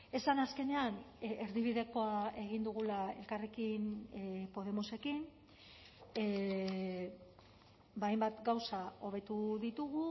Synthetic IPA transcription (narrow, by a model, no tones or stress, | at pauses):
e̞sanaske̞ne̞aneɾðiβ̞iðe̞ko̞ae̞ɣ̞ind̪uɣ̞ulae̞̰lkare̞kinpo̞ð̞e̞muse̞kin | bajmbat̪ɡawsao̞β̞e̞t̪uðit̪uɣu